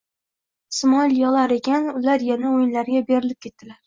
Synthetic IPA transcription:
smɒlʲjɒlˠaɾe̞kʲʰanʊlaɾjanaojɪnlaɾɡʲabe̞ɾɪlɪp̚kʲʰe̞t̪̚ːd̥̪ɪlaɾ

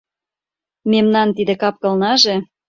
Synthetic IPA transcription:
memnɑnt̪id̪ĕkɑp̚kɤ̆lnɑʒe

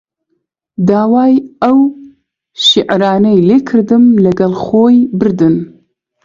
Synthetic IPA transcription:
d̪aːwɑːjɐw | ʃiʕɾɑːnɐjleːkʰɨɾd̪ɨmlɐɡɐlχoːjbɨɾd̪ɨn

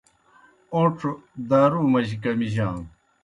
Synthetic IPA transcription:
oʈ͡ʂʰod̪aːɾuːmɐʑikɐmiʑãːn

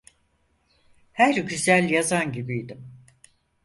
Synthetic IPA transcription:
hæɾɟyzælʲjazanɟibijd̪im

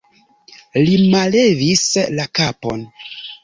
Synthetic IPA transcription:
limalevislakapo̞̰n

